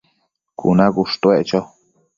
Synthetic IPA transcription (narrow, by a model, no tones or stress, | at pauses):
kṵnãkuʂt̪weʔt͡ʃo